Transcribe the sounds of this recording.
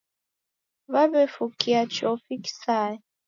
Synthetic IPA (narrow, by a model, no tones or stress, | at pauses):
βaβɛfukiat͡ʃɔfiki̥saɛ